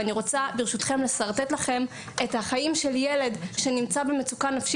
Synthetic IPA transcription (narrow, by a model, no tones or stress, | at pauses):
aniʁo̞t͡sabeʁʃut̪χe̞mle̞saʁt̪etlaχe̞m | ethaχajimʃe̞ljele̞dʃe̞nimt͡sabemet͡sukanːafʃi